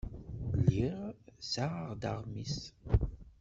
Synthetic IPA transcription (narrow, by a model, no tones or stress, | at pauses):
liʁsaʁaʁd̪aʁmis